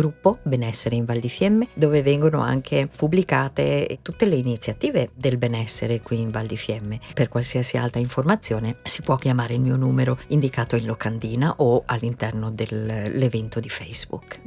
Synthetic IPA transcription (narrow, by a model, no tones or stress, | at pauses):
ɡɾupːobenɛsːeɾeiɱvald̪ifjɛmːed̪oːvevɛŋɡono̰a̰ŋkʰepubːlikaːt̪ḛt̪ut̪ːeleinit̪sjat̪iːved̪elbenɛsːeɾekwiːɱvald̪ifjɛmːeperkwalsiasia̰lt̪ɾaiɱformat̪sːjoːnesi̥pwɔk̟ːjamaːɾeilmiːonuːmeɾoind̪ikaːt̪oinlokand̪iːnaʔoalːint̪ɛrnod̪elːevɛnt̪od̪ifɛjz̥bṵk